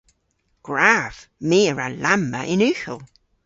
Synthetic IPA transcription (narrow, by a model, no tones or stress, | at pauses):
ɡ̥ɹav̥miːəɹalamːə̰ʔɪnʉxə̰lˠ